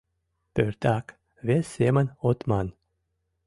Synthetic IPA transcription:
pøɾt̪ak | vʲesʲemanot̪man

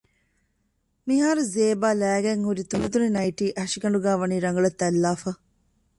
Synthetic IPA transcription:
miɦaːɾuzeːbaːlæːɡɛŋuɾit̪unit̪uninɐjʈiːʔɐʂikɐɳɖuɡaːʋɐniːɾɐŋɡɐɭɐt̪ːɛlːaːfɐ

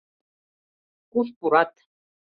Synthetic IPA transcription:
kuɬpuɾat̪

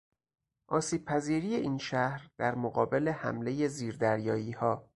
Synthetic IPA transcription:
ʔɒːsiːb̥̚pʰæziːɾiːjeʔiːnʃæhɾd̪̥æɾmoɣɒːbe̞le̞hæ̰mle̞je̞ziːɾd̪æɾjɒːiːhɒː

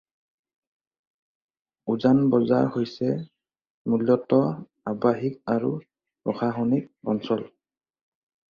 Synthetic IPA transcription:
uzanbɔza̰ɹhojsɛ | muljɔtɔ | abaɦikaɹṵ | ɹɔxaxonik̚ɔ̰nsɔl

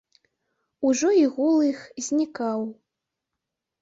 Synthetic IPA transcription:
uʐɔiɣulˠɨxzʲnʲikaw

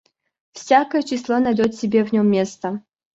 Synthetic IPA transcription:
fsʲakəjət͡ɕɪslˠonɐjdʲot̪sʲɪbʲevnʲomːʲest̪ə

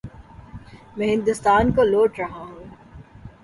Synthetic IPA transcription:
mɛ̃ɦɪ̃nd̪ʊst̪aːnkoloːʈɾɐɦaɦũː

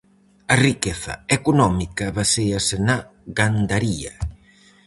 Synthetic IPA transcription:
ɐrikeθɐ̰ekonɔmikɐβasejɐsenɐɣand̪aɾiɐ̰

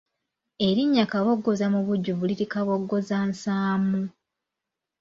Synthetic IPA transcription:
eɾiɲːakaβo̞ɡːozamuβuɟːuβuliɾikaβo̞ɡːozansaːmu

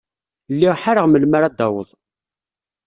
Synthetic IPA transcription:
lːiʁħaɾəʁməlmaɾæd̪ɑwə̰ðˤ

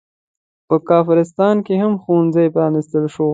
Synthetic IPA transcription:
pəkɑːfɪɾɪs̬t̪ɑnkehamxonzəjpɾɑnɪst̪əlʃo

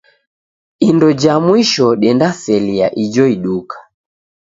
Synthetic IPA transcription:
indɔd͡ʒamwiʃɔɗɛndasɛliaʔid͡ʒɔiɗukḁ

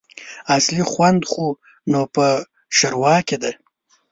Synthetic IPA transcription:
aslixwand̪xu | nopə | ʃaɾwɑːked̪e

